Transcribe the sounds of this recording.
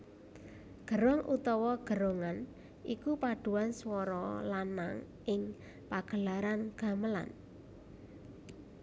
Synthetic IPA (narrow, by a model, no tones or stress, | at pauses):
ɡ̥ə̤ɾɔŋʔṵt̪ɔwɔɡ̥ə̤ɾoŋan | ʔikupaɖ̪̥ṳwanswɔɾɔlana̰ŋ | ʔɪŋ | paɡ̥ə̤laɾanɡ̥a̤məla̰n